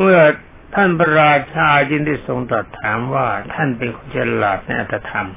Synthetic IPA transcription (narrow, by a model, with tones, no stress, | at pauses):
mɯ˥˩ɐ | t̪ʰa˥˩npʰa˧ɾaː˧t͡ɕʰaː˧t͡ɕɯ˥˩ŋd̪iː˥˩so˧ŋt̪ɔː˨˩t̪ʰːaː˩˦mwaː˥˩t̪ʰa˥˩npe˧nkʰo˧nt͡ɕʰa˧˩˧laː˨˩t̪̚na˧jʔa˨t̪ːɾa˧t̪ʰa˧m